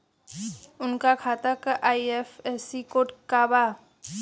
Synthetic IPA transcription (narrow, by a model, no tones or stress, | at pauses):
unkakʰat̪əkʔajepʰesikoʈkaba